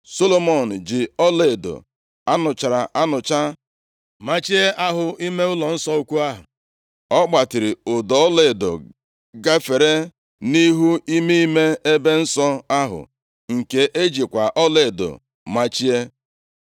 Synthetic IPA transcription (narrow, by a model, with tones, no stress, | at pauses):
so˦lo˦mo˨n̩˨d͡ʒɪ˨ɔ˦le˨do̰˨ | a˦nʊ˨t͡ʃa˨ɾa˨ʔa˦nʊ˨t͡ʃa˦ | ma˦t͡ʃi˦e˦a˦ɦʊ˨i˦me˦ʊ˦lɔ˨n̩˦sɔ˦u˦kʷu˦a˦ɦʊ̰˨ | ɔ˦k͡pa˨tɪ˨ɾɪ˨ʊ˨dɔ˨˦ɔ˦le˨do̰˨ | ɡa˦fe˨ɾe˦ | ni˦ɦu˦i˦mi˦i˦me˦e˦be˦n̩˦sɔ˦a˦ɦʊ̰˨ | ŋ̩˨ke˨ʔe˦d͡ʒi˨kʷa˨ʔɔ˦le˨do̰˨ | ma˦t͡ʃi˦e˦